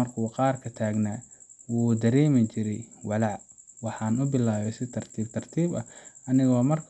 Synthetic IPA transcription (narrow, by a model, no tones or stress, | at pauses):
ɐrkʰuqɑːrkʰɐt̪ʰaːɡnaːwuːd̪ɐɾɛːmɐɲt͡ʃɪɾɛjwɑlɑʕwɑħɑːnʊbɪlaːβɛsɪt̪ʰɐrt̪ʰiːb̚t̪ʰɐrt̪ʰiːbɐʔɐnɪɣɔːmɐrkʰ